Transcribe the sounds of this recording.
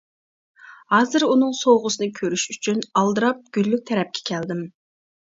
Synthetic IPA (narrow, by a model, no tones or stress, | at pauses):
hɑːzɨɾunɨŋsowʁʊsɨnɨkʲʰøɾyʃyt͡ʃʰynɑlˠd̪ɨɾɑp̚ɡ̥ʲylːyk̚ʲt̪ʰɛɾɛp̚kʲʰɛ̥kʲʰæld̪ɪm